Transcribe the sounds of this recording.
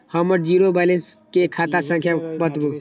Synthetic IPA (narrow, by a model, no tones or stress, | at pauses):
həməɾd͡ʒiːɾobaːliskekʰaːt̪asə̃ŋkʰjabət̪bu